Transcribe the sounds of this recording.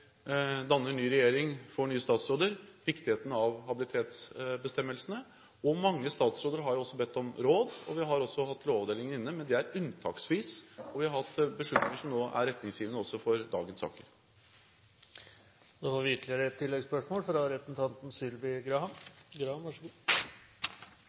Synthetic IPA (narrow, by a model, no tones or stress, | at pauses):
d̪ɑnːəɳyːɾɛjeːɾɪŋfɔɳyːəst̪ɑːt̪sɾoːd̪əɾʋɪkt̪ɪheːt̪ənɑʋhɑbɪlɪt̪ʰeːt̪sbəst̪ɛmːəlsənə | ɔmɑŋːəst̪ɑːt̪sɾoːd̪əɾɦɑɾjʊɔsːɔbɛt̪ʰːɔmɾoːd̪ɔ̰ʋɪɦɑɾɔsːɔhɑt̪ːloːʋd̪eːlɪŋənɪnːəmɛnd̪ɛæɾʉnt̪ʰɑ̰ːksʋiːsɔʋɪhɑɾhɑt̪ːbəʂɭʏt̪nɪŋəʂɔmnoːʔæ̰ɾːɛt̪nɪŋsjiːʋənəɔsːɔfɔɾd̪ɑːɡənsɑ̰ːkəɾ | nofɑːɾʋɪɪk̪ʰlɪəɾəɛt̪ʰːɪlːɛɡspœʂmoːlfɾɑɾɛsn̩t̪ʰɑnt̪n̩sʏlbɪɡɾɑhɑ